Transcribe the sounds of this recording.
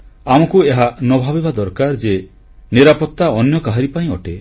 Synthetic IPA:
amɔkueɦanɔbʱabebad̪ɔɾkaɾd͡ʒe | niɾapɔt̪ːaɔnjɔkaɦaɾipaĩɔʈe

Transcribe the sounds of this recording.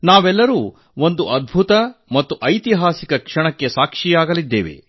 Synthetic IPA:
naːʋɛlːɐɾuː | o̞nd̪uʔɐd̪̚bʱut̪ɐmɐt̪ːuʔɐjt̪iɦaːsikɐkʂɐɳɐkːesaːkʂijaːɡɐlid̪ːeːʋe̞̰

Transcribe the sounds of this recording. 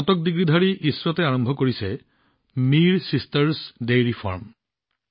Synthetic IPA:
ɔtɔk̚diɡɹidʱaɹiʔiswɔtɛaɹɔmbʱɔkoɹisɛ | miɹsistɛɹsdejɹifʰɔ̰ɹm

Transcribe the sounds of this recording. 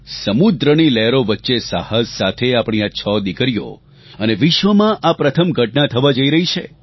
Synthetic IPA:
səmud̪ɾənilɛɾoʋətːʃesahəssat̪ʰeapɳ̃iat͡ʃʰɔd̪ikəɾjo̰ | əneʋɪʃʋəmãʔapɾət̪ʰəmɡʱəʈnãt̪ʰəʋad͡ʒəiɾəɦit͡ʃʰe

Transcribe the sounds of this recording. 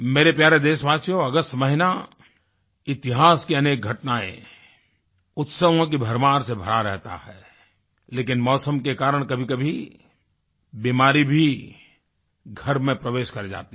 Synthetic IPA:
meːɾepjaːɾed̪eːʃʋaːsjõɐɡəst̪məɦɪna | ɪt̪ɪɦaːskiɐneːk̚ɡʱɐʈnaːḛ̃ | ʊt̪səʋõk̬ibʱɐɾmaːɾsebʱɐɾaɾɛɦt̪a̰hɛ | leːkɪnmɔːsəmkekaːɾəɽ̃kɐbʱikɐbʱi | biːmaːɾibʱi | ɡʱɐɾmẽpɾəʋeːʃkɐɾd͡ʒa̰ːt̪i

